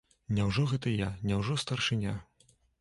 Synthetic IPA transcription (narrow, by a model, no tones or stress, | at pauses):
nʲɛwʐɔɣɛt̪ɐjanʲɛwʐɔst̪ɐrʂɨnʲa